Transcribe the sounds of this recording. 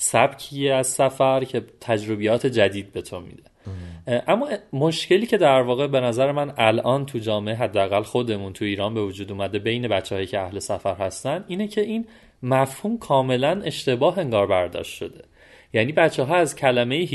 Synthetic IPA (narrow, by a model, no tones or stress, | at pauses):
sæb̥cʰiːeæzsæfæɾcʰe̞t̪ʰæd͡ʒɾo̞bijɒːt̪ʰe̞d͡ʒæd̪iːd̪̚be̞t̪ʰomḭd̪̥e̞̥ | ʔæmːɒːmoʃce̞liːcʰe̞d̪æɾvɒːɣe̞be̞næzæɾemænælʔɒːnt̪ʰud͡ʒɒːmeʔeɦæd̪ːeæɣælxo̞d̪e̞munt̪ʰuiːɾɒːnbe̞vod͡ʒuːd̪uːmæd̪e̞be̞jne̞bætt͡ʃːɛhɒːjicʰe̞æhle̞sæfæɾhæst̪ænd̪iːnecʰe̞ʔiːn | mæfhuːmkʰɒːme̞læne̞ʃt̪e̞bɒːɦe̞ŋɡɒːɾbæɾd̪ɒ̰ːʃt̪ʃo̞d̪e̞ | jæːniːbætt͡ʃʰːɛɦɒːæzcʰælæme̞jeɦ